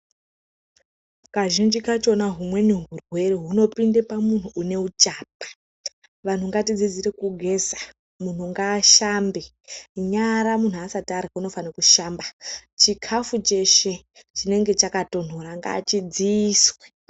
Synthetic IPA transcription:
kaʒind͡ʒikat͡ʃo̞naɦumwe̞nuɦurwe̞reɦuno̞pindepamun̤uʔːne̞ut͡ʃaːp̚ḁ | ʋan̤uŋɡatid͡zid͡ziɾe̞kuɡʱe̞sḁ | mun̤uŋɡaːʃambe | ɲaɾamun̤uasatarɣauno̞fanakuʃaːmbat͡ʃikʰafut͡ʃe̞ʃe̞ | t͡ʃine̞ŋɡe̞t͡ʃakato̞n̤o̞ɾaŋɡa̰ːt͡ʃid͡ziːswe̥

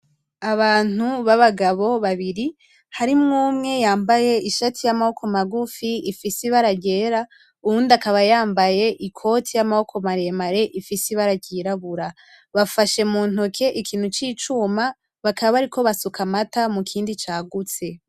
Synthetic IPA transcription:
aβaːn̥uβaβaɡaβo̞βaβiɾi | haɾimŋuːmŋe̞jaːmbaje̞iʃatʰijamaho̞kʰo̞maɡufiifisiβaɾaɟe̞ːɾa | uɾuːndakaβajaːmbaje̞ʔikʰo̞tʰijamaho̞kʰo̞maɾemaɾe̞ʔifisiβaɾaɟiːɾaβuɾa | βafaʃe̞muːn̥okʰe̞ʔikʰiːn̥hut͡ʃiːt͡ʃuma | βakʰaβaβaɾikʰo̞βasukʰamatamukʰiːndit͡ʃaːɡut͡se̞

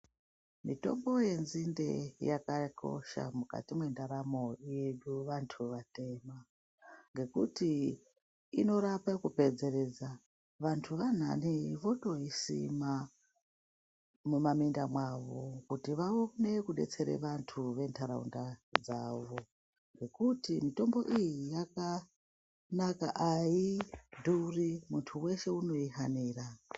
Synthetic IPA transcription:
mito̞̰mbo̞je̞nzinde̞̰jakako̞̰ʃa̰muka̰timwe̞ndaɾamo̞je̞ɗuʋantʰuʋate̞ːma | ŋɡe̞kuti | ino̞ɾapakupe̞d͡ze̞ɾe̞d͡za | ʋantʰuʋan̤a̰niʋo̞to̞isḭma | mumamindamwaʋo̞̰kutiʋaonekuɗe̞̰t͡se̞ɾḛʋantʰuʋe̞ntʰaɾa̰ṵndad͡zaʋo̞ | ŋɡe̞kutimito̞mbo̞ʔijijaka | naka̰ʔaidʱurimuntʰuwe̞ʃe̞uno̞iɦaniːra

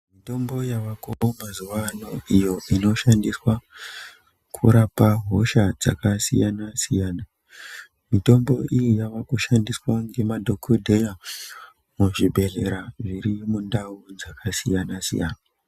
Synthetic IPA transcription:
mito̞mbo̞jaʋakomazuʋanoijo̞ʔino̞ʃandiswa | kʰṵɾapaɦo̞ʃad͡za̰kasḭjanasijaːna | mito̞mbo̞ʔijijaʋakuʃandiswaŋɡe̞madʱo̞kʰodʱe̞ja | muʐibʱe̞ɮe̞ɾaʐiɾimundaud͡zakasijanasḭja̰ːna

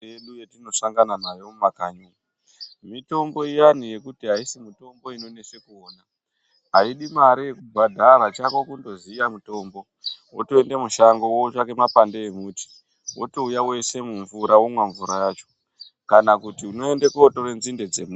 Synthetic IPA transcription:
eɗujetino̞saŋɡananajo̞mumakaɲuː | mito̞mbo̞ijanije̞kutiɦaisimito̞mbo̞ino̞ne̞se̞kuoːna | ɦaiɗimaɾijekubʱadʱaɾat͡ʃakokundo̞zijamuto̞ːmbo̞ | wotoe̞ndemuʃaŋɡowout͡ʃakemapandeemuːti̥ | wo̰toujawe̞se̞muɱvuɾawomwaɱvuɾajaːt͡ʃo̥ | kanakutiuno̞e̞ndekootoɾenzinde̞d͡zemu

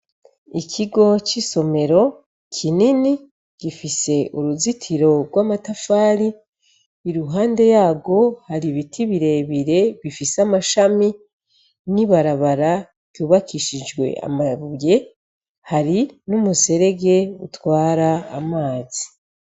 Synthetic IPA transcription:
ikʰiɡo̞t͡ʃiso̞me̞ɾo̞ | kʰinini | ɡ̥ifise̞ʔuɾuzitʰiɾo̞ɡwaːmatafaːɾiː | ɾuɦaːnde̞jaːɡo̞haɾiβitʰiβiɾe̞βiɾe̞βifisamaʃami | niβaɾaβaɾa | ɡ̥juːβakʰiʃid͡ʒɡwe̞̰a̰maβuje̞ | haɾinumuse̞ɾe̞ɡe̞ṵtwaːɾa̰ːmaːzi

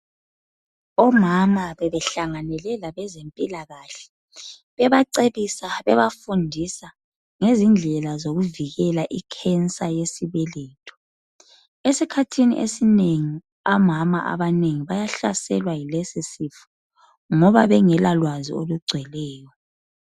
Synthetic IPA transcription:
ɔmamaβɛβɛɬaŋanɛlɛlaβɛzempʼilaɣaɬɛ̥ | βɛβaǀeβisaβɛβafundʱisa | ŋezind͡ɮʱɛlazoɣuviɣɛlaʔikʰɛnt͡sʼajesiβɛleːtʰʼɔ̥ | esikʰatʰinḭʔḛsineŋi | amama̰ʔa̰βaneŋiβajaɬasɛlwailɛsisifu̥ | ŋɔβaβɛŋɛlalwazḭoluɡ͡ǀʱwɛlɛːjɔ

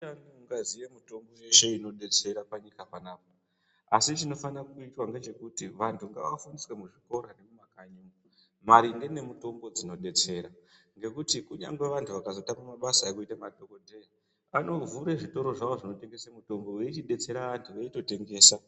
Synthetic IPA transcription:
anuŋɡazijemuto̞mbo̞jeʃe̞ino̞ɗe̞t͡se̞ɾapaɲikapanaːp̚a | asit͡ʃino̞fanakuitwaŋɡe̞t͡ʃe̞kutiʋantʰuŋɡaʋafuniswemuʐiko̞ɾane̞mumakaɲumu | maɾiŋɡe̞ne̞muto̞mbo̞d͡zino̞ɗe̞t͡se̞ɾa | ŋɡe̞kutikuɲa̰ŋɡwe̞ʋantʰuʋakazo̞tamamaɓasaekuitamaɗokodʱei | ano̞vuɾeʐito̞ɾo̞ʐaʋoʐino̞te̞ŋɡe̞semuto̞mbo̞weit͡ʃiɗe̞t͡se̞ɾaʋantʰuʋeito̞te̞ŋɡe̞ːsa

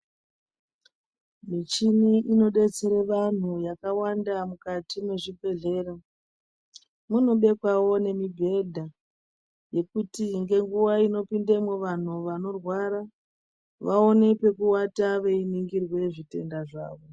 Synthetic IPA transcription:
mit͡ʃiniʔino̞ɗe̞t͡seɾeʋan̤ujakawandamukatimwe̞ʐibʱe̞ɮe̞ɾa | muno̞ɓe̞kwawo̞ne̞mibʱe̞dʱa | je̞kutiŋɡe̞ŋɡuwaino̞pindemweʋan̤uʋano̞rwaɾa | ʋao̞ne̞pe̞kuwataʋe̞iniŋɡirwe̞ʐite̞ndaʐa̰ːʋo̞

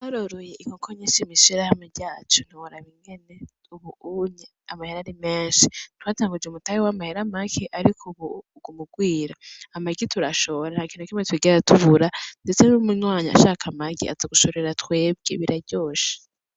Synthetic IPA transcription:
aɾoɾojeikokʰoɲeʃimiʃiɾahameɟaːt͡ʃo̥n̥hiwoɾaβiŋɡe̞ne̞ | uβuuɲe | amaheɾaɾimeːnʃitwaːtaŋɡud͡ʒemutajiwamaheɾamakʰeʔaɾikʰuβuː | ɡ̥umuɡwiːɾaamaɡitʰuɾaʃoɾanhakiːnhukimetwiɡeatʰuvuɾandet͡senumuɲwaːɲa̰ːʃaːkʰamaɡḭa̰zaɡuʃo̞ɾeɾatwe̞ːb̚ɡeβiɾaɟo̞ːʃi̥

